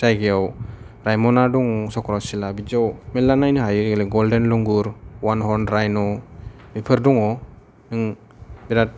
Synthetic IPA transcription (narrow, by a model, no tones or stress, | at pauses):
sajɡɛɔw | ɾajmɔnaduŋsɔkɾasilabid͡ʒɔwmɛlanajnɯɦajɯɡelɛɡɔldɛnlɔŋɡuɾwanɦɔnɾajnɔmipʰɯɾduŋɔ | nɯŋ | biɾat̚